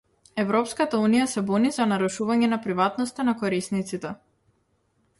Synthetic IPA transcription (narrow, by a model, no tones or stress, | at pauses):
ɛvɾɔpskat̪aunijasɛbɔnizanaɾuʃuvaɲɛnapɾivat̪nɔst̪anakɔɾisnit̪sit̪ɛ